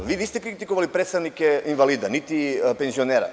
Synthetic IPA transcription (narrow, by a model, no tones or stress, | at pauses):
ʋiːʋist̪ɛkɾit̪ikoʋalipɾet̪st̪avnikɛinvalid̪anit̪ipenzioneɾa̰